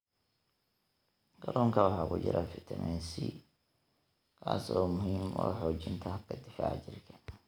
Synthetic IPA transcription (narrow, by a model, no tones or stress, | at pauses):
ɡ̥ɐɾɔːŋkʰɐwɑħɑːkʰʊt͡ʃɪɾʔafɪt̪ʰɐmʔɛnsi | kʰaːsɔːmʊɦiːmɔːħɔːt͡ʃɪnt̪ʰɐkʰɐd̪ɪfaːʕt͡ʃɪrkʰɐ̥